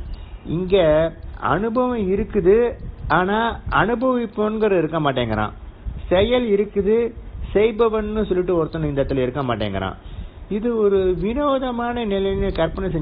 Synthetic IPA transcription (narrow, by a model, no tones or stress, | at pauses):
ɪ̰ŋɡeɐ̰nɯbɐʋɐ̃ɪɾɯkːɯðɯaːnaːɐnɯbɐʋɪpːɐnɡɐɾɐɪɾɯkːɐmaːʈ̬ːeːŋɡɐɾã̰ːsɛjɐlɪɾɯkːɯðɯsɛɪbɐʋɐnnɯsɔlːɪʈːɯɔɾɯt̪ːɐnɐɪnd̪ɐt̪ːɪlɪɾɯkːɐmaːʈːḛːŋɡɐ̰ɾã̰ːɪðɯɔɾɯʋɪnoːðɐmaːnɐnɪlɐjnɯkɐɾpɐnɐsɛɲ